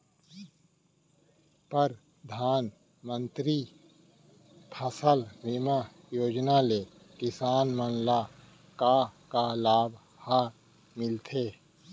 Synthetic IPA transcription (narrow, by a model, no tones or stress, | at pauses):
pəɾ | d̪ʱaːn | mə̃nt̪ɾi | pʰəsəlʋima | joːd͡ʒnaleː | kɪsaːnmənla | kakalaːb | haː | mɪlt̪ʰeː